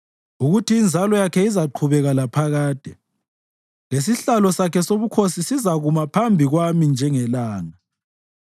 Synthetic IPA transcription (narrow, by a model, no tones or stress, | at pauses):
uɣutiːnd͡zʱalɔjakʰɛizaǃʰuβɛɣalapʰaɣaːd̥ʱɛ | les̬iɬalɔsakʰɛsoβukʰosisizaɣumapʰambʱiɣwamind͡ʒʱɛŋɛlaːŋa